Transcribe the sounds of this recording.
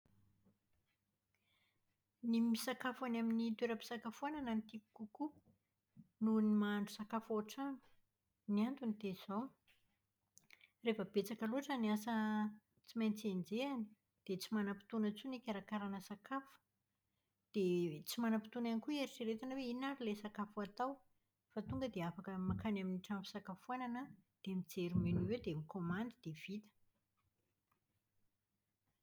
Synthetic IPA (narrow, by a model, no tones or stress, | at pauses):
nimisakafanaminit̪weɾəpi̥sakafuanananit̪iku̥kuku | nunimaɳɖ͡ʐusakafoaʈ͡ʂanu̥ | niant̪unit̪ez̥ow | refəb̥et͡sakəluaʈ͡ʂəniasə | t͡simajnt͡send͡zeani̥ | d̪̥et͡simanəpi̥t̪unət͡sunikʲaɾakaɾanəsakafu̥ | d̪̥et͡simanəpi̥t̪unanikuaɾit͡ʃiɾet̪anəweinaɾilesakafuat̪aw | fat̪uŋɡəd̪eafakəmakanaminiʈ͡ʂampi̥sakafuananəd̪̥emid͡zeɾuminiwewd̪emikomand̪id̪̥ev̥it̪ə̥